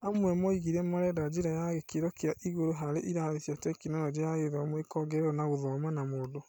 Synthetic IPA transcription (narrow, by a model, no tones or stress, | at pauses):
amwɛmɔiɣiɾɛmaɾɛdad͡ʒiɾajaɣekeɾɔkeaʔiɣoɾoɦaɾeʔiɾaðeθjatɛkinɔjɔd͡ʒejaɣeðɔmwekɔɡɛɾeɾɔnaɣoðɔmwɛnamoːdo